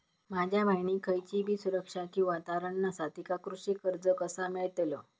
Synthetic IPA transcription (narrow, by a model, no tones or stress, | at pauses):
mad͡ʑʱjamajnikʰəjt͡ɕibʱiːsuɾəkʂakĩʋat̪aɾəɳnəsat̪ikakɾuʂikəɾd͡zəkəsameɭt̪lə